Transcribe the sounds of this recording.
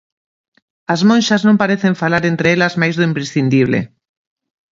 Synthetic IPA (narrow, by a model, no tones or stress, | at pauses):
azmõnʲʃaznõmpaɾeθeɱfalaɾent̪ɾeelazmajzðoimpɾesθind̪iβlḛ